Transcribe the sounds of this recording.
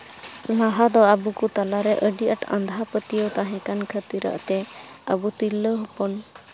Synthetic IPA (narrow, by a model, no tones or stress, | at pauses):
laɦad̪ɔabukut̪alaɾɛʔəɖiʔaʈã̰nd̪ʱapət̪ijəwt̪aɦɛ̃kankʰət̪iɾa̰ʔt̪ɛ | əbut̪ilːəɦɔpɔn